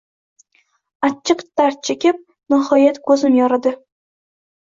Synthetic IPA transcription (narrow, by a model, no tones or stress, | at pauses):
at͡ʃʰːɨqt̪aɾ̚t͡ʃʰekʲɪp̚ | nɪhɒjat̪kʰɵzɪmjɒɾad̪ɪ